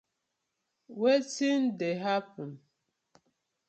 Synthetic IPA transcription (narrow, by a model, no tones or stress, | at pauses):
wetindeɦapun